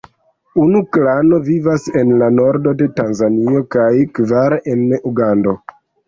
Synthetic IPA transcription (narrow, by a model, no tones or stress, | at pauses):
unuklano̞vivase̞nlano̞ɾdo̞de̞tanzanio̞kajkvaɾʔenuɡando̞